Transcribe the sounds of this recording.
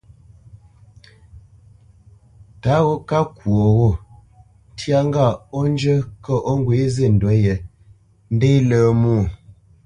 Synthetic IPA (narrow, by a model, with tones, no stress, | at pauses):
ta˨˦ɣo˦ka˦kwo˨ɣo˦˨˦ | tja˦ŋ˦ɡa˦˨o˦n˦d͡ʒə˦kə˦ʔo˦ŋ˦ɡwe˨˦ze˦˨n̩˨dwɛ˨˦je˨ | n̩˦de˦ləː˨˦mu˦˨